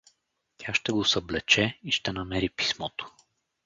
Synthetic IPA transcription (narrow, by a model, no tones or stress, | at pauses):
t̪ʲʰaʃt̪ɛɡosɐblɛt͡ʃɛiʃt̪ɛnɐmɛɾipi̥smɔt̪o̥